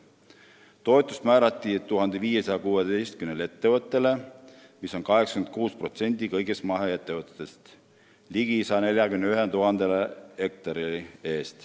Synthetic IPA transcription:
t̪o̞et̪ːˑust̪mæːɾɑt̪ˑːit̪ːuɦɑnd̪̥e̞viːje̞sɑjɑkuːed̪ejst̪̚kymnele̞t̪ːe̞vɤt̪ːˑele̞ | miso̞nkɑɦeksɑkymnt̪kuːspro̞t̪se̞nʲd̪̥ikɤjɡest̪mɑɦee̞t̪ːevɤt̪ːˑet̪ːest̪ | liɡ̥isɑne̞ljɑkymneyɦent̪uɦɑnd̪e̞lehe̞k̚t̪ɑɾilie̞ːst̪

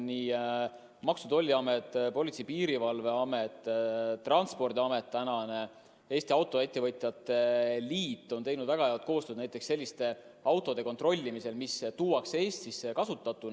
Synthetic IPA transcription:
niː | mɑksut̪o̞lʲːiɑmet̪ːˑpo̞lʲit̪sipiːɾivɑlve̞ɑme̞t̪ːˑt̪ːrɑnt̪spo̞rd̪iɑme̞t̪ːænɑne | e̞ːst̪iɑwt̪ːˑo̞e̞t̪ːe̞vɤt̪ʲˑjɑt̪ːˑe̞liːt̪ːˑo̞nt̪e̞jnud̪̥væɡ̥ɑjet̪̚ko̞ːst̪ød̪næjt̪ːˑe̞kse̞lʲːist̪e̞ | ɑwt̪ːˑo̞d̪̥e̞ko̞nt̪ro̞lʲːimise̞lmist̪uːwɑkse̞ːst̪isekɑsut̪ːˑɑt̪ːˑun

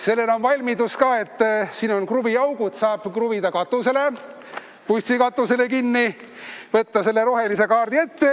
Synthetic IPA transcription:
se̞lːeno̞nvɑlʲmid̪uskɑːe̞t̪ˑːsiːno̞nkrubiɑwɡ̥ut̪sɑːb̥krubid̪ɑkɑt̪ːˑuse̞le̞ | pust̪sikɑt̪ːˑuse̞le̞kinːi | vɤt̪ːɑse̞lːe̞ɾo̞ɦe̞lise̞kɑːrd̪ie̞t̪ːe̞

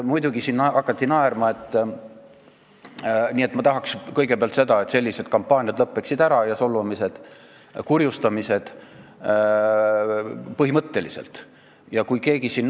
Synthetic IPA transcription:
mujd̪uɡisinːɑkːˑɑt̪ːinɑeɾmɑe̞t̪ː | niːe̞t̪ːˑmɑt̪ɑɦɑkskɤjɡepeɑlt̪se̞d̪ɑe̞t̪se̞lʲːise̞d̪̚kɑmpːˑɑːnʲijɑd̪lɤpːeksid̪æɾɑjɑso̞lɑmise̞d̪̥ | kurjust̪ɑmise̞d̪̥ | pɤɦimɤt̪ːe̞lisḛlt̪ˑ | jɑkujke̞ːɡ̥isinː

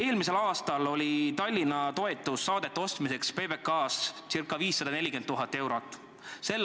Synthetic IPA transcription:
e̞ːlmise̞lɑːst̪ɑlo̞lʲit̪ɑlʲːinɑt̪o̞e̞t̪ːˑusːɑːd̪̥e̞t̪ːeo̞st̪mise̞kspe̞ːbe̞kːɑːssirkːˑɑviːsːɑd̪̥ɑne̞lʲike̞nd̪ːuɦɑt̪ːˑe̞wɾot̪ːˑ | se̞l

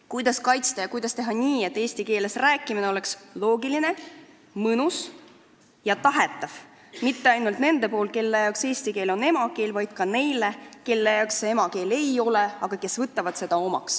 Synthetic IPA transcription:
kujd̪̥ɑskɑjt̪st̪ɑjɑkujd̪̥ɑst̪e̞ɦɑniːe̞t̪ːˑe̞ːst̪ike̞ːlesræːkːˑimineo̞le̞kslo̞ːɡiline̞ | mɤnus | jɑt̪ɑɦe̞t̪ːˑɑv̥ | mit̪ːeɑjnult̪ne̞nd̪e̞po̞ːl̚ke̞lːejɑkse̞ːsʲt̪ike̞ːlo̞ne̞mɑke̞ːlvɑjd̪̥̚kɑne̞jleke̞lːejɑˑksee̞mɑke̞ːle̞jo̞le̞ɑɡ̥ɑke̞svɨt̪ːˑɑvɑd̪̥se̞d̪̥ɑo̞mɑ̰ks

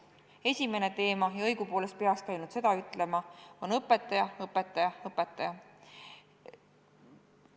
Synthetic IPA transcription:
e̞sʲime̞ne̞t̪e̞ːmɑjɑɤ̞jɡ̥upoːle̞st̪̚pe̞ɑkskæjnud̪̥se̞d̪̥ɑyt̪ːˑle̞mɑo̞nɤpˑːe̞t̪ːˑɑjɑɤpːˑe̞t̪ːˑɑjɑɤpːˑe̞t̪ːˑɑjɑ

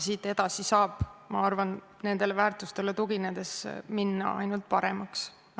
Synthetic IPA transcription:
siːt̪ːˑe̞d̪̥ɑsisɑːb̥mɑɑrvɑn | ne̞nd̪e̞levæːrt̪ust̪e̞le̞t̪uɡined̪e̞sminːɑ̰ɑ̰jnult̪̚ˑpɑɾemɑks

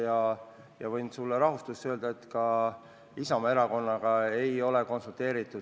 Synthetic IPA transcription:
jɑ | jɑvɤjnsulːeɾɑɦust̪ust̪ø̞ːld̪ɑe̞t̪kɑ | isɑmɑeɾɑko̞nːɑɡ̥ɑe̞jo̞leko̞nsult̪e̞ːɾit̪ːˑud̪

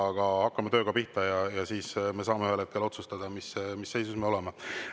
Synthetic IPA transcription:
ɑɡ̥ɑɑkːɑmet̪ø̞ːɡɑpiht̪ɑjɑjɑsiːsme̞s̬ɑːmeyhelet̪kelo̞t̪sust̪ɑd̪̥ɑmismisːe̞jsusme̞o̞le̞me

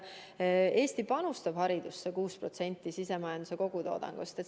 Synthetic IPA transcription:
e̞ːst̪ipɑnust̪ɑb̥hɑɾid̪̥usːekuːspro̞t̪se̞nʲt̪ːˑisise̞mɑjɑnd̪̥use̞ko̞ɡ̥ut̪o̞̰ːd̪̥ɑ̰ŋɡ̥ust̪e

